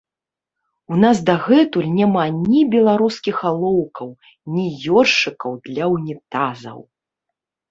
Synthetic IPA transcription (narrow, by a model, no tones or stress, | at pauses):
unasd̪aɣɛt̪ulʲnʲamanʲibʲɛlˠaɾuskʲixalˠɔwkɐw | nʲijɔrʂɨkɐwd̪lʲɐwnʲit̪azɐ̰w